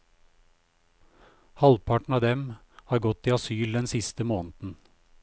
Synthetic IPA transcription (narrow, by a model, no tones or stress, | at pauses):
hɑlpʰɑʈɳ̩ɑːd̪ɛm | hɑːɾɡɔt̪ːiːɑsyːld̪ɛnsɪst̪əmoːnt̪n̩